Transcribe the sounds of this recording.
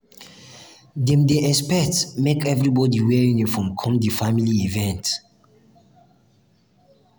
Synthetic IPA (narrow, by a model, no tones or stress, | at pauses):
dɛ̃mdeʔɛspɛk̚tmekɛvɹibɔdiwɛɹĩŋjufɹɔ̃mkʰɔ̃mdifamiliivɛ̃nt